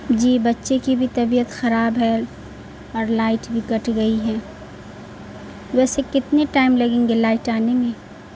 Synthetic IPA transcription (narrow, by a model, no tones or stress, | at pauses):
d͡ʒiːbɐtːʃekibʱit̪ɐbiːət̪xɐɾaːbɦɛ | ɔːɾlaːɪʈbʱikɐʈʰɡɐiɦɛː | ʋɛːsekɪt̪neʈaːɪmlɐɡẽːŋɡelaːɪʈaːnemeː